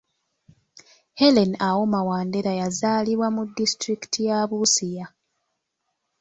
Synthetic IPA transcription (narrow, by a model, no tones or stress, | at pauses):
helenawo̞mawaːnde̞ɾajazaːliβwamudːistɾiki̥tʰijaːβusija